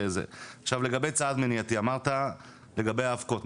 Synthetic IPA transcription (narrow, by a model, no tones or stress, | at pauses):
ezḛaχʃavle̞ɡabejt͡saad̪meniat̪iamaʁt̪a | le̞ɡabe̞jaːfko̞t